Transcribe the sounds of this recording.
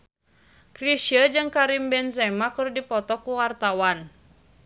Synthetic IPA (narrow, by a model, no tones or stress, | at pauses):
kɾiʃiəd͡ʒɨŋkaɾimbɛnsɛmakɨrdipɔt̪ɔkuwart̪awan